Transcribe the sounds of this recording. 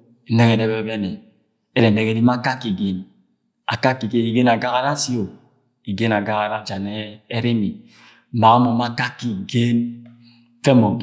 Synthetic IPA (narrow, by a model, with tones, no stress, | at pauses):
n̩˦ne˦ke˨de˦be˦be˦ne˨ | e˦ɾe˨n̩˨ne˦ke˨di˦ma˦ka˦kːi˨ɡe˨n | a̰˨ka˦ki˨ɡe˦ni˨ɡe˦na˨ɡa˦ɣa˦ɾa˦si˦o˨ | i˨ɡe˦na˨ɡa˦ɣa˨ɾa˦d͡ʒa˨ne˦e˦ɾe˦mi˨˦ | ma˨ɣa˦mo˨ma˦ka˦ki˨ɡe˦n˦ | fe˦mo˨ɡ